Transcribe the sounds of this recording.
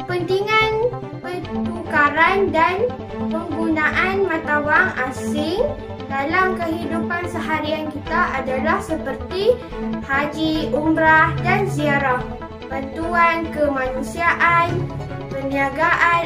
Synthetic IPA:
pənt̪iŋan | pətukaɾandan | pəŋɡunãʔanmãt̪awaŋasɪŋ | dalamkəɦidupansəɦaɾiankit̪aʔadalahsəpərt̪i | had͡ʒiumɾahdansiaɾah | bant̪uankəmãnũsiaʔan | pəniaɡaʔa

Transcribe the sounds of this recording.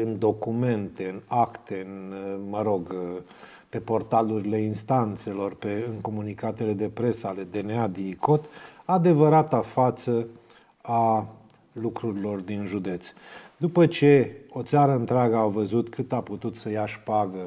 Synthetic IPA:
ɨnd̪o̞kume̞nt̪e̞ɨnakt̪e̞ɨnməɾo̞ɡ | pe̞po̞rt̪aluɾile̞inst̪ant̪se̞lo̞rpe̞ɨŋko̞munikat̪e̞le̞d̪e̞pɾe̞səale̞d̪e̞nead̪iikot̪ad̪e̞vəɾat̪afat̪sə | a | lukɾuɾilo̞rd̪inʒud̪e̞t̪sd̪upət͡ʃe̞o̞t̪saɾəɨnt̪ɾeaɡəawvəzut̪kʰɨt̪aput̪ut̪səjaʃpaɡə

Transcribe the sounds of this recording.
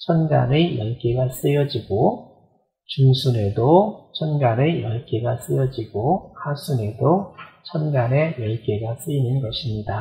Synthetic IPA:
t͡ɕʰʌnɡa̰nɯjʌɭk͈eɡas͈ɯjʌd͡ʑiɡo | t͡ɕuŋsʰune̞dot͡ɕʰʌnɡanejʌɭk͈eɡas͈ɯjʌd͡ʑiɡohasʰune̞dot͡ɕʰʌnɡane̞jʌɭk͈e̞ɡas͈ɯinɯnɡʌɕʰimɲida

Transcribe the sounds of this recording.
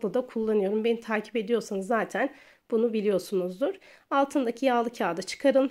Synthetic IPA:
lˠɯd̪akʰulˠːanɯjo̞ɾumbenit̪ʰaːcʰi̥pe̞d̪ijo̞ɾsanɯzːaːt̪ʰæn | b̥unubilʲijo̞ɾsunuzd̪uɾ̥alˠt̪ʰɯnd̪acʰijalˠɯcʰaːd̪at͡ʃʰɯ̥kʰaɾɯlˠ

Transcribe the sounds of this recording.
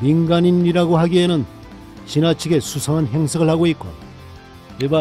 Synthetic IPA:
minɡaɲiniɾaɡoɦaɡienɯn | ɕinat͡ɕʰiɡe̞sʰusʰʌŋanɦe̞ŋsʰɯɡɯɭhaɡoik͈o̰ | eba

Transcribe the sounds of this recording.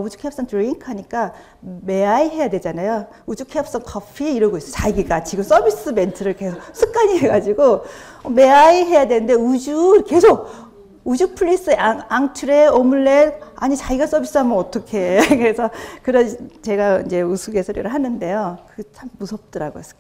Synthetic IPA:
ud͡ʑu̥kʰeʌps͈ʌŋtɾiŋkʰhaɲik͈a | me̞aiɦe̞jade̞d͡ʑanajo | ud͡ʑukʰejʌp̚s͈ʌŋkʰʌpʰieiɾɯɭɡois͈ʌt͡ɕaiɡik͈at͡ɕʰiɡos͈ʌbʱis͈ɯbe̞ntʰɯɾɯɭke̞sʰokk̚sʰɯk̚k͈aɲiɦe̞ɡad͡ʑiɡo | me̞aiɦe̞jadwe̞nɯndeud͡ʑuɯɭke̞sʰoɡ̚ | ud͡ʑupʰɯɭːis͈ɯaŋaŋtʰuɾe̞omuɭːenaɲit͡ɕaiɡas͈ʌbis͈ɯɦamɯnʌt͈ʌkʰe̞kɯɾe̞sʰʌkɯɾʌt͡ɕe̞ɡaind͡ʑe̞usʰuɡe̞sʰʌɾjo̰ɾɯɭɦanɯnde̞jokɯt͡ɕʰamːusʰʌp̚t͈ʌɾaɡoes͈ʌ̥

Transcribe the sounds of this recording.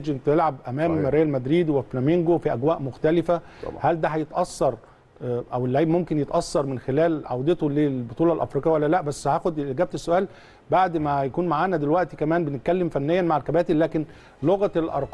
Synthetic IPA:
d͡ʒent̪elʕab̚ʔæmæːmɾˤeːjælmæd̪ɾiːd̪weflæmeŋɡofiʔæɡwæːʔmoxt̪ælɪfæ̰ | hæld̪æɦæjet̪ʔɑsːɑɾˤ | ʔæwelːaʕiːbmomkenjet̪ʔɑsːɑɾˤmenxelæːlʕawd̪et̪oleːbot̪ˤuːlɑlʔæ̰fɾikqjːæwælːælæʔbæsːhæːxod̪ʔeɡæːb̚t̪esːoʔæːl | baʕd̪mæjækuːnmaʕaːnæd̪elwæʔt̪ikæmæːnbenɪt̪̚kælːemfænːejːænmaʕalkæbæːt̪ellæːken | loɣælʔɑ̰ɾˤq

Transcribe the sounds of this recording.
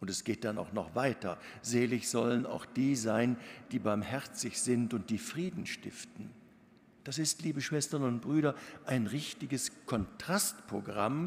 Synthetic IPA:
ʔʊntɛsɡ̥eːt̚d̥ana̰ʊxnɔ̰χv̥aɪtɐ̰zeːlɪçz̥ɔləna̰ʊxd̥iːzaɪnd̥iːbaɐmhɛʁt͡sɪçz̥ɪntʊnt̚d̥iːfʁ̥iːdn̩ʃtɪ̰ftn̩ | d̥asɪstliːbəʃv̥ɛstɐnʊnt̚b̥ʁyːɾɐʔaɪnʁɪçtɪɡəskʰɔntʁ̥astpʁ̥oɡʁa̰m

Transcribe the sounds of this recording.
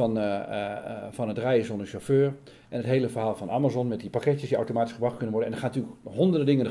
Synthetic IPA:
ɔn | fɔnətrɛjəsondəʃoføːɹ | ʔɛnətɦejləfərɦaːlˠfɔnamazɔnmɛt̚dipakɛtjəsdia̰wtomaːtisχəbrɑxtkønənʋɔrdənɛndəxaːntyːlkɦondərdədɪŋən

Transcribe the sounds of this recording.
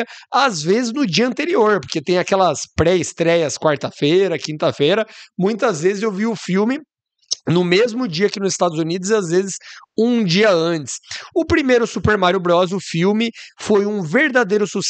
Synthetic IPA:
ɐazvezɪznʊd͡ʒiɐɐ̃nt̪eɾioɾpoɾket̪ẽj̃akɛlɐspɾɛɪst̪ɾɛjɐskwaɾt̪ɐfejɾɐkĩnt̪ɐfejɾɐmũj̃t̪ɐzvezɪzewviʊfiwmɪ | nʊmezmʊd͡ʒiɐkɪnʊzɪst̪ad̪ʊzunid̪ʊzɪazvezɪsũd͡ʒiɐɐ̃t͡ʃɪ̥sʊpɾimejɾʊsupeɾmaɾjʊbɾɔzʊfiwmɪfojũveɾd̪ad̪ejɾʊsus

